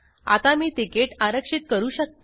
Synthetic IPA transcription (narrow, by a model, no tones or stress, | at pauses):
a̰t̪amiːʈ̪ikeʈaɾəkʂit̪̚kəɾuːɕək̚t̪